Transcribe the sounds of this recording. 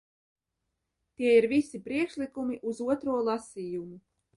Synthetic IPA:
t̪iɛiɾvisipɾiɛkʃlikumiʔuzuɔt̪ɾuɔlˠasiːjumu

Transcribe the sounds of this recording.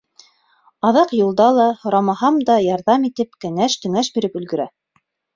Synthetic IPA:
ɑðɑqjulˠd̪ɑlˠɑhŏɾɑmɑhɑmd̪ɑjɑɾðɑmit̪ɘpkɘ̆ŋæʃt̪ɵ̆ŋæʃbiɾɘpɵ̆lɡɵ̆ɾæ

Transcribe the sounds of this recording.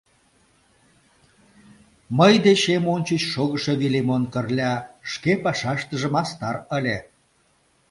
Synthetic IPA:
məjd̪et͡ɕemonʲt͡ɕət͡ɕʃoɣəʃeβilemonkərlʲɑʃkepɑʃɑʃt̪əʒə̆mɑst̪ɑrəlʲe

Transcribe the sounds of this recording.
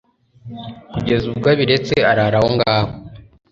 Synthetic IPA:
kuɟe̞zub̚ɡaβiɾe̞t͡seaɾaɾahoŋɡaːho

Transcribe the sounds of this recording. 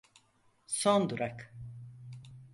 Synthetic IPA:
sond̪uɾak

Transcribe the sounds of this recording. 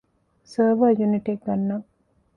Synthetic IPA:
səːʋaːjuniʈeɡɡɐnːɐ

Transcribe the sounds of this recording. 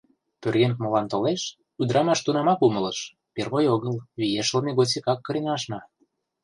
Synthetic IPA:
pørɣent̪̚molɑnt̪oleʃ | ud̪ɾɑmɑʃt̪unɑmɑkumə̆ləʃ | perβojoɣəlβijeʃəlneɣot͡sikɑkːɤ̆ɾinɑʃnɑ

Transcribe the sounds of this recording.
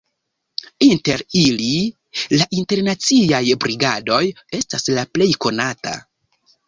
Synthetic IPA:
inte̞ɾili | laʔinte̞ɾnat͡siajbɾiɡado̞j | e̞staslaple̞jko̞nata̰

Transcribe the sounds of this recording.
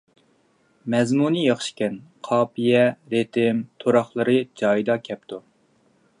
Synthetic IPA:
mɛzmunɨjɑχʃi̥kʲɛnqʰɑːpʰijɛɾet̪ʰɪmt̪ʰoɾɑχlˠɨɾɨd͡ʒɑːjd̪ɑkʲʰɛp̚t̪ʰu

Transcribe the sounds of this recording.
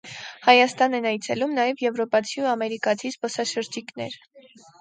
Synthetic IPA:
hɑjɑst̪ɑnɛnɑjt͡sʰɛlumnɑjɛvjɛvɾɔpɑt͡sʰiuɑmɛɾikɑt͡sʰispɔsɑʃəɾd͡ʒiknɛ̰ɾ

